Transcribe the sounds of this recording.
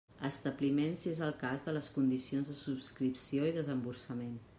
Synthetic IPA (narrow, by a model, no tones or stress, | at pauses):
əst̪əβlimensiezəlˠkazðələskund̪isionzðəsupskɾipsioiðəzəmbuɾsəmen